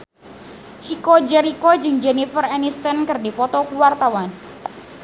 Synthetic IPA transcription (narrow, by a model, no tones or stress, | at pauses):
t͡ʃikod͡ʒɛɾikod͡ʒɨŋd͡ʒɛnifərɛnist̪ɛnkɨrdipɔt̪ɔkuwart̪awan